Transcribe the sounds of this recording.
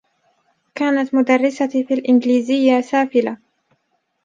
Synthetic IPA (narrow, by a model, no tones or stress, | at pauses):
kaːnat̪mʊd̪arˤːɪsafiːalʔɪnd͡ʒliːzɪjːasaːfɪla